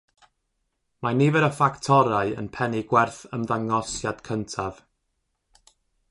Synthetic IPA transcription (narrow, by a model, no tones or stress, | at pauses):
manivɛɾəfaktʰɔɾaɨə̰npʰɛnɪɡwɛrθəmðaŋɔsjad̥kʰəntʰav̥